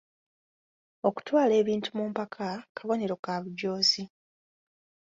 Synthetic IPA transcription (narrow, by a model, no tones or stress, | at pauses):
o̞ku̥twaːle̞ːβiːntumuːmpakʰakʰaβo̞ne̞ɾo̞kaːβuɟo̞ːzi